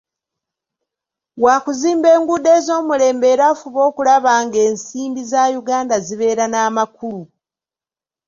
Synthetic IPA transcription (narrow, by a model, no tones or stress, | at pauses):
waːkuziːmbe̞ːŋɡude̞ːzo̞ːmule̞ːmbe̞ːɾaːfuβo̞ːkulaβaːŋɡe̞ːnsiːmbizajuɡaːndaziβe̞ːɾanaːmakulu